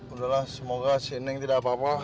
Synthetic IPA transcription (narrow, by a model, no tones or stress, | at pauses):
udalahsəmoɡasinɪŋt̪idaʔpapa